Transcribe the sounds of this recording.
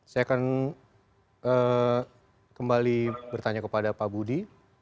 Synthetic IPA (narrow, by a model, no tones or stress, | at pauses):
sajakan | ə | kəmbalibərt̪aɲakəpadapabudi